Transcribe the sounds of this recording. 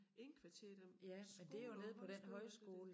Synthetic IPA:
nkʰʋt͡sʰe̥jæmend̥e̝æjo̝ne̝ːð̞̩ˠpʰɒ̽d̥enɦɒ̽ɪsɡ̥o̝ːlə

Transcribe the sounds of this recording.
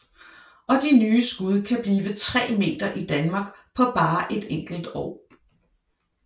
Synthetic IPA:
ʔɒ̽d̥inyːsɡ̥uð̞ˠkʰæb̥liːʋət͡sʰʁɛ̰ːme̝̰ːd̥ɐʔid̥ænmɑ̈ːɡ̥pʰɒ̽b̥ɑ̈ːʔe̝d̥eŋ̰ɡ̥l̩d̥ɒ̰ː

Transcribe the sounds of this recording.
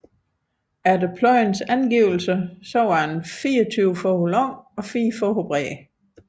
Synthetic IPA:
ædepʰlɒɪnsænɡ̥iʊl̩səsɒ̽ʊɑenfiːɒt͡sʰyʊfɔholɒŋɒ̽fḭːfɔɦob̥ʁɛ̰ː

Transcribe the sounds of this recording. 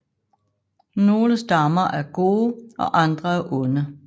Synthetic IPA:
no̝ːləsd̥ɑ̈mɐʔæɐɡ̥o̝ːɒ̽ʔɑ̈nd̥ʁɐæɐʔɔnə

